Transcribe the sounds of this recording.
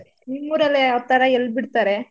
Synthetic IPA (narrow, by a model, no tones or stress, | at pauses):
imːuːɾɐleɔt̪ːɐɾɐɛlːbiɽt̪aːɾe